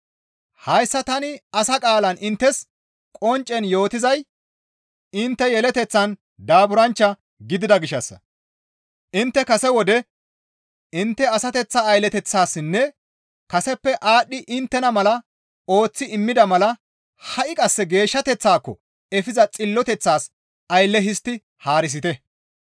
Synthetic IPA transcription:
hɐjsːɐt̪ɐnɪɐsɐkʼaːlɐnʔɪnt̪ːɛs | kʼɔnt͡ʃʼːɛnjo̞ːt̪ɪzɐj | ɪnt̪ːɛjɛlɛt̪ɛt͡sːɐn | d̪aːbʊɾɐnt͡ʃːɐ | ɡɪd̪ɪd̪ɐɡɪʃːɐsːɐ̰ | ʔɪnt̪ːɛkɐsɛwɔd̪ɛ | ɪnt̪ːɛɐsɐt̪ɛt͡sːɐːjlɛt̪ɛt͡sːaːsɪnːɛ | kɐsɛpːɛʔaːɗːɪʔɪnt̪ːɛnɐmɐlɐ | o̞ːt͡sːɪɪmːɪd̪ɐmɐlɐ | hɐʔɪkʼɐsːɛɡe̞ːʃːɐt̪ɛt͡sːaːkːɔ̰ | ɛfɪzɐt͡sʼɪlːɔt̪ɛt͡sːaːs | ɐjlːɛɦɪst̪ːɪ | haːɾɪs̬ɪt̪ɛ

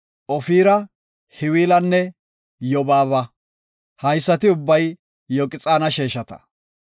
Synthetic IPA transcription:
ʔɔfiːɾɐ | hɪwiːlɐnːɛ | jɔbaːβɐ | hɐjsːɐt̪ɪʊbːɐj | jɔkʼɪt͡sʼaːnɐʃeːʃɐt̪ɐ̥̰

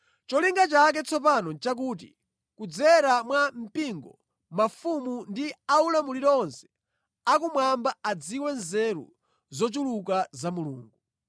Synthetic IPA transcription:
t͡ʃɔliŋɡat͡ʃak̬ɛt͡sʰɔpanɔt͡ʃak̬uːt̬ḭ | kud͡zɛɾamwam̩piŋɡɔ̰ | mafumundiaulamuliɾɔɔnsɛ̥ | ak̬umwambaad͡ziwɛnzɛɾṵ | zɔt͡ʃuluk̬azamulṵːŋɡu

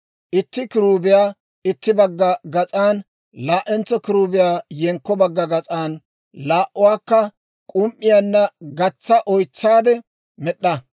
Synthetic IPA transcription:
ʔɪt̪ːɪkɪɾuːbɪjaː | ɪt̪ːɪbɐɡːɐɡɐt͡sʼaːn | laːʔɛnt͡sːɔkɪɾuːbɪjaːjɛŋkːɔbɐɡːɐɡɐt͡sʼaːn | laːʔʊwaːkːɐ | kʼʊmʔːɪjanːɐɡɐt͡sːɐʔɔjt͡sːaːd̪ɛ | mɛɗːɐ

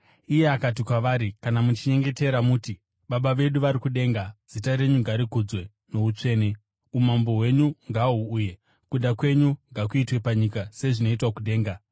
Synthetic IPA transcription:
ije̞akat̬ikwaʋaːɾikanamut͡ʃiɲe̞ŋɡe̞te̞ɾamuti | ɓaɓaʋe̞ɗuʋaɾikuɗe̞ːŋɡaz̥itaɾe̞ɲuŋɡaɾikud͡zwe̞ | no̞ut͡ʂe̞ːne | umambo̞ɦwe̞ɲuŋɡaɦuːje̞ | kuɗakwe̞ɲuŋɡak̬uitwe̞paɲikase̞ʐino̞itwakuɗe̞ːŋɡa

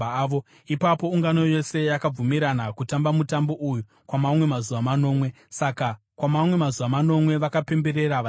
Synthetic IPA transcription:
ʋo | ipapo̞uŋɡano̞jo̞se̞jakab͡vumiɾanakutambamutambo̞ʔuju | kwamamwe̞mazuʋamano̞ːmwe̞ | saka | kwamamwe̞mazuʋamano̞mwe̞ʋakape̞mbe̞ɾe̞ɾaʋa

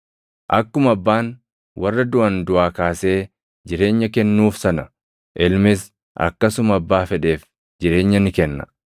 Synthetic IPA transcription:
ʔɐkːʊmɐbːaːn | wɐrːɐd̪ʊʔɐnd̪ʊʔaːkaːse̞ː | d͡ʒɪɾe̞ːɲːɐkɛnːuːfsɐnɐ | ʔɪlmɪs | ʔɐ̰kːɐsʊmɐbːaːfɛᶑe̞ːf | d͡ʒɪɾe̞ːɲːɐnɪkɛnːɐ

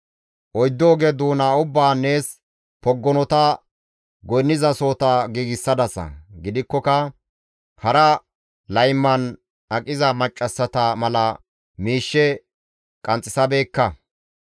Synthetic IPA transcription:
ʔɔjd̪ːoːɡeːd̪uːnaːʊbːaːne̞ːs | pɔɡːɔnɔt̪ɐ | ɡɔjnːɪzɐso̞ːt̪ɐɡiːɡɪsːɐd̪ɐsɐ̰ɡɪd̪ɪkːɔkɐ | hɐɾɐ | lɐjmːɐn | ʔɐkʼɪzɐmɐt͡ʃʼːɐsːɐt̪ɐmɐlɐ | miːʃːɛ | kʼɐnt͡sʼːɪsɐbeːkːɐ

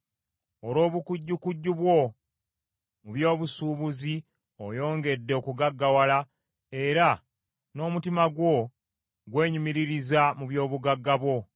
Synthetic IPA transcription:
olo̞ːβukuɟːukuɟːuβwo̞ | muβjo̞ːβusuːβuzi | ojo̞ːŋɡe̞dːe̞okuɡaɡːawala | e̞ɾa | no̞ːmutimaɡwo̞ | ɡwe̞ːɲumiɾiɾizamuβjo̞ːβuɡaɡːaβwo̞

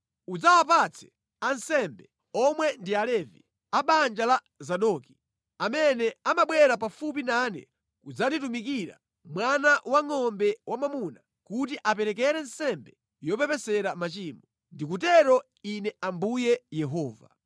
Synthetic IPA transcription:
ud͡zawapat͡sʰɛ̥ | ansɛmbɛ | ɔmwɛndialɛvḭ | aɓand͡ʒala | zaɗɔki̥ | amɛnɛamaɓwɛɾap̬afup̬inanɛ̰ | kud͡zaditumikiɾa̰ | mwanawaŋɔmbɛwamamuna | kut̬iʔapɛɾɛk̬ɛɾɛnsɛmbɛ | jɔpɛpɛsɛɾamat͡ʃiːmɔ | ndik̬utɛɾɔ | inɛʔambujɛjɛɦɔːva

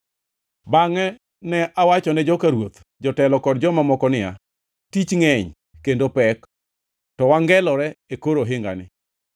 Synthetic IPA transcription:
baŋɛ | nɛʔawat͡ʃɔnɛd͡ʒɔkaɾwot̪ | d͡ʒɔtɛlɔkɔdd͡ʒɔmamɔkɔnɪa̰ | tit͡ʃŋɛɲ | kendopɛk | tɔwaŋɡɛlɔɾɛekoɾoɦɪŋɡa̰nɪ

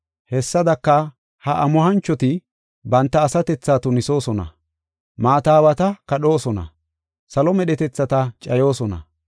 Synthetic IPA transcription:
hɛsːɐd̪ɐkːɐ | hɐʔɐmʊɦɐnt͡ʃːɔt̪ɪ | bɐnt̪ːɐːsɐt̪ɛt͡sːaːt̪ʊnɪso̞ːsɔnɐ̰ | maːt̪aːwɐt̪ɐkɐɗo̞ːsɔnɐ̰ | sɐlɔmɛɗɛt̪ɛt͡sːɐt̪ɐt͡ʃʼɐjo̞ːsɔnɐ̰

